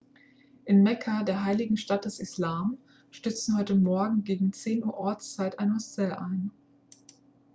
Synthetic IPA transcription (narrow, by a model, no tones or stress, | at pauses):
ʔɪnmɛkʰadeːɐɦaɪlɪɡŋ̩ʃtat̚d̥ɛsɪslaːm | ʃtʏt͡sn̩hɔʏtəmɔɐɡŋ̩ɡeːɡŋ̩t͡seːnʔuːɐʔɔɐt͡st͡saɪtʔaɪnhɔsɛlʔaɪn